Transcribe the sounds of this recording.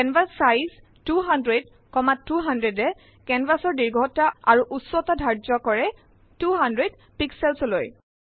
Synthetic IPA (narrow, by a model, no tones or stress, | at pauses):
ɛnvasːajz | tuɦandɹɛd | kɔmatːuɦandɹedɛ | kɛnvasɔɹdiɹɡʱɔtaaɹuʔuswɔtadʱaɹd͡ʒɔkɔɹɛ | tuɦandɹed | piksɛlsoloj